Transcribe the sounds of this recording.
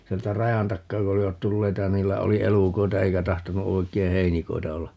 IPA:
sieltæ rɑjɑn tɑkːɑː ku oliʋɑt tulːeitɑ jɑ niːlːæ oli elukoitɑ eikæ tɑhtonu oi̯kˑei heinikoi̯tɑ olːɑ

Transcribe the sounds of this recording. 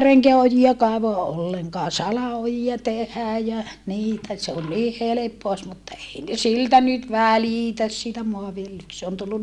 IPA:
reŋkeæ ojiɑ kɑeʋoɑ ʔolːeŋkɑː sɑlɑojiɑ tehæː jæ niːtæ se on niː helepːoɑ os mutːɑ ei ne siltæ nyt ʋæliˑtæs siːtæ moɑʋiljelyk se on tulːun

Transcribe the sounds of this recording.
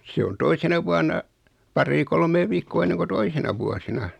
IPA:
se on toisenɑ ʋuɑnɑ pɑrːiː kolmeː ʋiːkːoː enːeŋ ko toisenɑ ʋuosinɑ

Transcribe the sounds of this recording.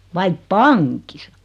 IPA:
ʋɑip pɑŋkisɑ

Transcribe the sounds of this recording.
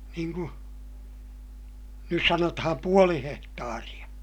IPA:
niːŋ ku nys sɑnotɑhɑm puoli hehtɑːrij̆ɑ

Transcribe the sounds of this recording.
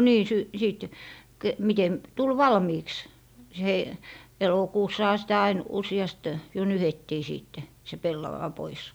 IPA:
niː sy siˑt ke mitem tul ʋɑlmiːks s hei elokuːsːɑhɑ sitæ ɑin usiɑst jo nyhetːiː siːtːe se pelːɑwɑ pois

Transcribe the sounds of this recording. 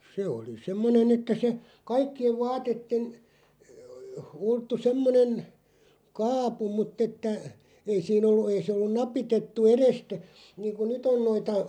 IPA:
se oli semːonen etːæ se kɑikːieʋ ʋɑːtetːen ultːu semːonen kɑːpu mutː etːæ ei siːn olːu ei sĕ olːu nɑpitetːu erestæ niːŋku nyt on noitɑ

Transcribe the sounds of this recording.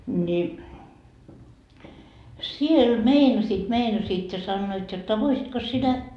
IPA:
ni siel meinɑsiːt meinɑsiːt jɑ sɑnːoit jotːɑ ʋoisitkos sinæ

